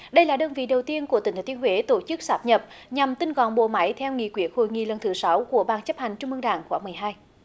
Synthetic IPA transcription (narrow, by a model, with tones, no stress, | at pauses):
ɗə˧jlaː˨˩ɗəː˧nvḭ˧˨ɗə˨˩wt̪i˧ənku˧˩ət̪ï˨˩ŋʰ˨˦t̪ʰi˧ənhwe˨˦t̪o˧˩t͡ɕɨ˦˥k̚saː˦˥p̚ɲə˨˩p̚ɲa˨˩mt̪ï˧nɣɔ̰˧˨nɓo̰˧˨ma˨˦jt̪ʰɛ˧wŋḭ˧˨kwi˨˦˥ək̚ho̰˧˨jŋḭ˧˨lə˨˩nt̪ʰɨ˨˦sa˨˦wku˧˩əɓaː˨˩nt͡ɕə˦˥p̚ha˨˩jŋ̟t͡ɕʊ˧ŋ͡mʔɨ˧ə˧ŋɗaː˧˩ŋxwaː˧˦mɨ˨˩əjɦaː˧j